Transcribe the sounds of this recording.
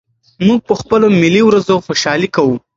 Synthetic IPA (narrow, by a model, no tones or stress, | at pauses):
muɡ̚pəxpəlomiliwɾazoxoʃɑlikawu